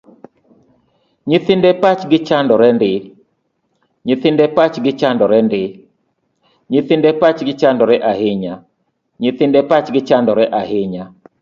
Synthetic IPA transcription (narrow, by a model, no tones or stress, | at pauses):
ɲɪθɪndɛpat͡ʃɡɪt͡ʃandɔɾɛndɪ | ɲɪθɪndɛpat͡ʃɡɪt͡ʃandɔɾɛndɪ | ɲɪθɪndɛpat͡ʃɡɪt͡ʃandɔɾɛʔahɪɲa | ɲɪθɪndɛpat͡ʃɡɪt͡ʃandɔɾɛʔaɦɪɲa